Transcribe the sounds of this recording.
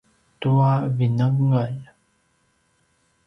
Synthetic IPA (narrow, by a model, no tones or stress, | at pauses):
t̪uavinəŋŋaj